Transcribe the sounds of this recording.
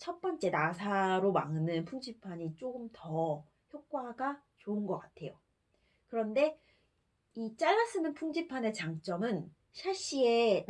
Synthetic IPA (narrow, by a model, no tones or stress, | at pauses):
t͡ɕʰʌt̚p͈ʌnt͡ɕ͈e̞nasʰaɾomaŋnɯnpʰuŋd͡ʑipʰaɲit͡ɕ͈oɡɯmtʌ | çjok̚k͈waɡa | t͡ɕoɯnɡʌk͈atʰe̞jo | kɯɾʌnde̞ | it͡ɕ͈aɭːas͈ɯnɯnpʰuŋd͡ʑipʰane̞t͡ɕaŋt͡ɕ͈ʌmɯn | ɕʰaɕ͈ie̞n